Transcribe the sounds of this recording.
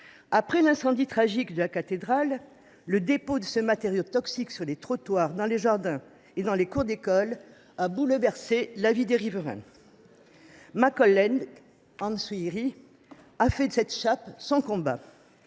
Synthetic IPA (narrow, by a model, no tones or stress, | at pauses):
apχɛlɛ̃sɑ̃d̪it̪χaʒikd̪əlakat̪ed̪ʁalː | əd̪epod̪əsəmat̪eʁjot̪ɔksiksyʁlet̪χɔt̪waʁd̪ɑ̃leʒaʁd̪ɛ̃ | ed̪ɑ̃lekuʁd̪ekɔl | abulvɛʁselavid̪eʁivəʁɛ̰̃ | makɔlːɛn | ɑ̃nsuiʁi | afɛd̪əsɛt̪ʃapsɔ̃kɔ̃ba̰